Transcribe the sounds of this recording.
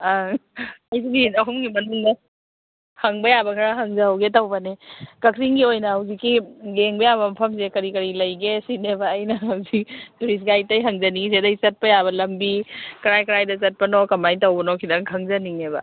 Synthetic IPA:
a | ɐjsiɡiɐɦumɡimɐnuŋdɐ | hɐŋbɐjabɐkʰɐɾaɦɐŋzɐɦawɡetɐwbɐnekɐkɾiŋɡiojnɐhɐwzikːiɡeŋbɐjabɐmɐpʰɐmzekɐɾikɐɾilɐjɡesinebɐːjnɐɦɐwzik̚tuɾis̬ɡajtɐjɦɐŋzɐniŋzedɐjt͡ʃɐt̚pɐjabɐlɐmbikɐɾajkɐɾajdɐt͡ʃɐt̚pɐnokɐmajtɐwbɐnokʰidɐŋʰɐŋzɐniŋebɐ̰

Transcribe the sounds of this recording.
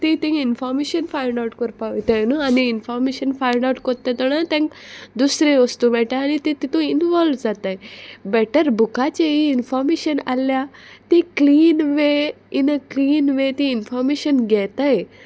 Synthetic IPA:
t̪ĩt̪ẽinfɔɾmeɕənfaiɳɖawʈkəɾpaʋit̪anəaniːnfɔɾmeɕənfajɳɖauʈkɔɾt̪ːẽt̪əɽ̃at̪ɛ̃ŋkd̪usɾẽʋəst̪ũmɛʈaːñit̪ĩt̪it̪ũinʋɔlʋd͡zat̪ajbɛʈəɾbʱukat͡ɕeiːnfɔɾmeɕəna̰ljat̪ĩkliːnʋe | inəkliːnʋet̪ĩinfɔɾmeɕənɡʱɛt̪aj

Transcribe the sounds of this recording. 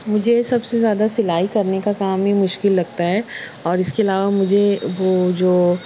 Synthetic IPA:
mʊd͡ʒʱesɐbsezjaːd̪asɪlaːikɐɾnekakaːmɦimʊʃkɪlːɐɡ̚t̪aɦɛɔːɾɪskeɐlaːʋamʊd͡ʒʱeʋod͡ʒoː

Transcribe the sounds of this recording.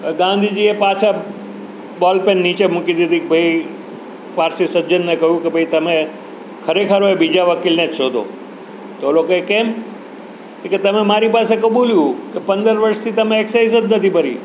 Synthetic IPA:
bəɡãːnd̪ʱid͡ʒiepaːt͡ʃʰa | bɔːlpenːit͡ʃemʊkid̪id̪ʱikbʱəi | paːɾsisəd͡ʒənːekɐɦjũkebʱɐit̪əmẽ | kʰəɾekʰəɾoebid͡ʒaʋəkilnẽt͡ʃʃoːd̪o̰ | t̪olokekeːm | keket̪əmẽmaːɾipaːsekəɓuljũkepə̃nd̪əɾʋəɾst̪ʰit̪əmẽeksais̬əd̪nət̪ʰipəɾḭ

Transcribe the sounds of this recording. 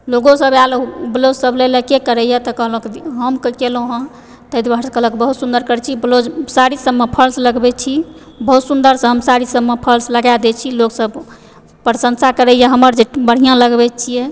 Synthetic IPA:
loɡõsəbaloblod͡ʒsəblelekekəɾɛjɛt̪ɔkəɦlokɦəmkkelõɦə̃ | t̪əid̪baɾskəɦləkbəɦut̪sund̪əɾkəɾt͡ʃʰiblod͡ʒsaɾisəbːepʰəɾsləɡbɛt͡ʃʰi | bəɦut̪sund̪əɾsə̃ɦəmsaɾisəbmepʰəɾsləɡad̪ɛt͡ʃʰiloksəb | pɾəsə̃nsʰakəɾɛjɛɦəməɾd͡ʒebəɽ̤ijãləɡbɛt͡ʃʰijɛ

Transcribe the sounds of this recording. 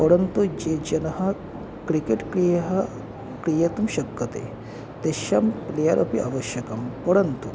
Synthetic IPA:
pɐɽɐnt̪ud͡ʒed͡ʒɐnɐɦɐ | kɾikeʈkɾijɐɦɐ | kɾijɐt̪umʃɐkːɐt̪ḛ | t̪eʃɐmplejɐɾʔɐpiʔa̰ʋɐʃjɐkɐmpɐɽɐnt̪u

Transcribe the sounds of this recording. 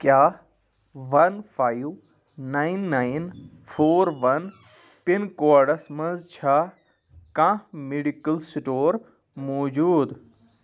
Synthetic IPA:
kjaː | ʋɐnfʰaːiʋ | nainːain | fʰoːɾʋɐn | pinkoːɖɐsmɐ̃nzt͡ʃʰa | kãːmeɖikəlsʈoːɾ | moːd͡ʒuːd̪

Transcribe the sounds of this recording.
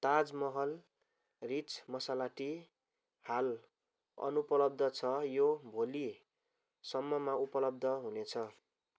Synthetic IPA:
t̪ad͡zmʌɦʌl | rit͡smʌsalaʈi | hal | ʌ̰nupʌlʌb̚d̪ʱʌt͡sʰʌjobʱoli | sʌmːʌmaupʌlʌb̚d̪ʱʌɦunet͡sʰʌ

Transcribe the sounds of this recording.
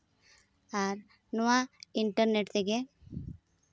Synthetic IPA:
aɾ | nuʋaiɳʈəɾneʈt̪eɡe

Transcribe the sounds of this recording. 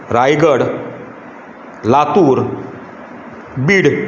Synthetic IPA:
ɾajɡəɽ | lat̪uɾ | biːɽ

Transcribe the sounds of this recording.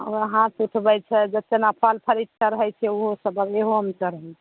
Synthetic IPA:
oəɦãt̪uʈʰbɛt͡ʃʰɛd͡ʒət̪ːenapʰalpʰəɾit̪̚kəɾəɦɛjt͡ʃʰɛuɦosəbəbeɦoɦəmt͡ʃəɾəɦɛlt͡ʃʰɛ

